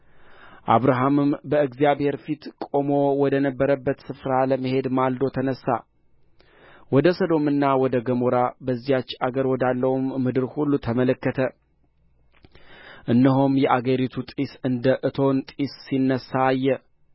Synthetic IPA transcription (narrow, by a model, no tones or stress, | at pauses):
ʔa̰βɾaɦamɨmbəɨɡzijaβhe̞ɾfit̪kʼo̞mo̞wɔd̪ənəbːəɾəbːət̪sɨfɾaləməhe̞d̪mald̪o̞t̪ʰənəsːa̰ | wɔd̪əsəd̪o̞mɨnːawɔd̪əɡəmoɾabəzːijat͡ʃːaɡəɾwɔd̪alːəwmːɨd̪ɨɾhulːut̪ʰəmələkːət̪ʰə | ʔɨnːəɦomjɛʔaɡəɾit̪ʰut̪ʼisɨnd̪əʔɨt̪ʰo̞nt̪ʼisːinːəsːaːjːɛ